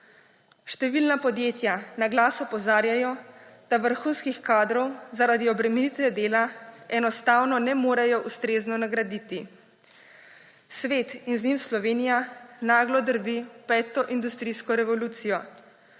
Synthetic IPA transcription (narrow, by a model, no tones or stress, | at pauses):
ʃt̪ɛʋilnapɔd̪jeːt̪janaɡlaːsɔpɔzaːɾjajɔd̪̥aʋəɾxuːnskixkaːd̪ɾɔwzaɾad̪iɔbɾɛmɛnit̪ʋɛd̪eːlaɛnɔst̪aːwnɔnɛmoːɾajɔʔust̪ɾeːznɔnaɡɾad̪iːt̪i | sʋeːt̪inznimslɔʋeːnijanaːɡlɔd̪əɾbipɛːt̪ɔʔind̪ust̪ɾiskɔɾɛʋɔluːt̪sijɔ